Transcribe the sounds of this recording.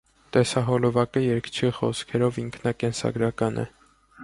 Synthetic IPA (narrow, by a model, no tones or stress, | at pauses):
t̪ɛsɑɦɔlɔvɑkəjɛɾkt͡ʃʰiχɔ̰skʰɛɾɔviŋkʰnɑkɛnsɑ̰ɡɾɑkɑnʔɛ̰